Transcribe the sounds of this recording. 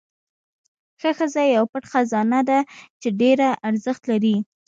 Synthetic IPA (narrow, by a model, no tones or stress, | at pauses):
xəxəzajawpəʈxazɑnad̪at͡ʃeɖeɾaʔaɾzəxt̪laɾi